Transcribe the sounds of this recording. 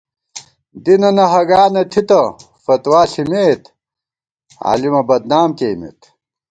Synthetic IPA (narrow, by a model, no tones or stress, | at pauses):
d̪inɐnɐɦɐɡaːnɐt̪ʰit̪ɐ | fɐt̪waːɬimeːt̪ | a̰ːlimɐbɐd̪naːmkeːmḛt̪